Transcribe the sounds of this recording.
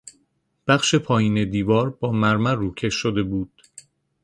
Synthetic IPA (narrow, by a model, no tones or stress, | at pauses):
b̥æχʃe̞pʰɒːjiːne̞d̪iːvɒːɾbɒːmæɾmæruːcʰe̞ʃʃod̪e̞buːd̪̥